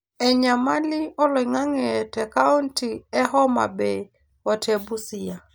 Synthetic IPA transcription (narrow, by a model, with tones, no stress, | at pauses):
ɛ˨ɲa˨ma˦li˦ɔ˦lɛ˨ŋa˦ŋɛ˨tɛ˨ka˦u˦nti˨ɛ˦ɦɔ˦ma̰˨bɛ˨ | ɔ˨tʰɛ˨bu˦si˨ja˨